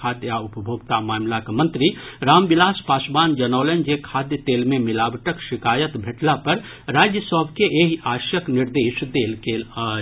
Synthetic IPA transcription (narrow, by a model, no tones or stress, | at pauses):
aːd̪jaʊpəbʱoːɡt̪amaːmlakmɐ̃nt̪ɾiɾaːmbɪlaːspaːsbaːnd͡ʒɐnɔːlənd͡ʒekʰaːd̪jət̪eːlmẽmɪlaːbʈəkʃɪkaːjət̪bʱeʈlapɐɾ | ɾaːd͡ʒjəsɔɦbʱkeʔeːɦaːʃjəknɪɾd̪eːʃd̪eːlke